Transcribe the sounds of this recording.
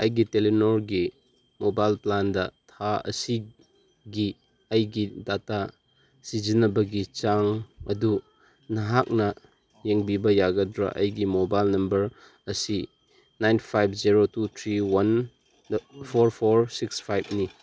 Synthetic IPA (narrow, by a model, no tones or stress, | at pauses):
ɐjɡitelinoɾɡi | mobajlplandɐtʰaɐ̰si | ɡi | ɐjɡidata | sizinɐbɐɡit͡ʃaŋɐ̰du | nɐɦak̚nɐ | jeŋbibɐjaɡɐdɾɐ̰ʔɐ̰jɡimobajlnɐmbɐɾ | ɐsi | najnpʰajb̚ʰziɾotut̪ʰɾiwan | pʰoɾpʰoɾsikspʰajb̚ni